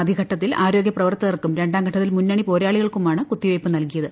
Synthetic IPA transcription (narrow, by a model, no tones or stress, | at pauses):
ɐd̪ʱikʰɐʈːɐt̪̬ːilʔaːɾo̞ːɡjɐprɐʋɐrt̪ːɐðɐrkːumɾe̞ɳɖaːmɡʰʱɐʈːɐt̪ːilmunːɐɳipo̞ːɾaːɭiɣɐɭkumaːɳɨkut̪ːiʋejpːɨnɐlkijɐðɨ